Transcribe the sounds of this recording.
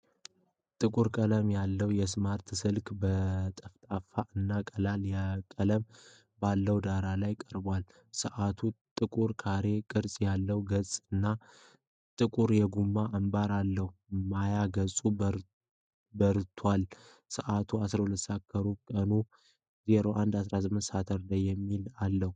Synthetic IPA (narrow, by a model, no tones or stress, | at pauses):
t̪ʼɨkʼuɾkʼələmjalːəwjɛsmaɾt̪sɨlkbət̪ʼəft̪ʼafaʔɨnːakʼəlaljakʼələm | balːəwd̪aɾalajkʼəɾbwal | sɨʔat̪ʰut̪ʼɨkʼuɾkʰaɾe̞kʼɨɾsʼjalːəwɡəsʼɨnːa | t̪ʼɨkʼuɾjɛɡumːaʔambaɾalːəhumajaɡəsʼu | bəɾt̪ʰwal | sɨʔat̪ʰuasɾahulət̪sakʰːəɾukʼənu | ze̞ɾo̞ʔand̪asɾasɨmɨnt̪sat̪ʰəɾləjːɛmːilalːəhu